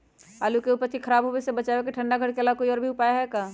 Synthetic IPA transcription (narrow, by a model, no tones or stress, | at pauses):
aːlukeuːpəɾt̪ʰikʰəɾaːbɦowesebət͡ʃaːʋekeʈʰə̃ɳɖaɡʱəɽkelaːkoːiɔːɾbʱiʊpaːjaɦɛkaː